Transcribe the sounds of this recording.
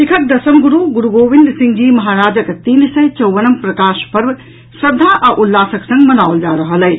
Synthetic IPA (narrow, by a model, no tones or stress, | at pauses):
lɪkʰɐt̪̚d̪ɐsɐmɡuɾuːɡuɾuɡoːʋɪnd̪sɪ̃ŋɡd͡ʑiːmɐɦaːɾaːd͡ʒəkt̪iːnsɐt͡ʃɐwʋɐnɐmpɾɐkaːʃpɐɾʋ | sɾɐd̪ʱːaːʔaʔulːaːsɐksɐ̃ŋɡmɐnaːʋld͡ʒaːɾɐɦɐlɐj